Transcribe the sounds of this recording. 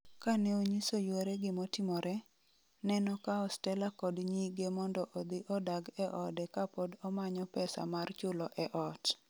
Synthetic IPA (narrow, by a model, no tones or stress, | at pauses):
kanɛoɲisojweɾɛɡɪmotɪmɔɾʔɛ | nɛnɔkaɔstɛlakɔdɲiɡemɔndɔʔod̪ɪʔɔdaɡɛʔɔdɛkapodɔmaɲɔpɛsa̰mart͡ʃʊlɔʔɛʔɔt